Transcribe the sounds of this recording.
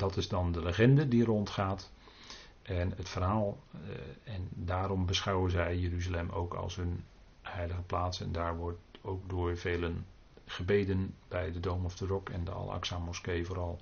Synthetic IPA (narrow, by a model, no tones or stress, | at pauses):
dɑtɪzdɑndələχɛndədirɔntχaːt | ʔɛnətfərɦaːlˠ | ɛndaːɾɔmbəsχɑwənzɛjjəɾyzalɛmʔo̰wkʰɑ̰lˠsɦɵn | hɛjləɣəplaːtsɛ̰ndaːɹʋɔɹtowk̚dʊːɹveːlən | χəbejdənbɛjdədowmɔfdərɔkɛ̰ndəɑ̰lˠa̰ksaːmɔskejvʊːɾɑlˠ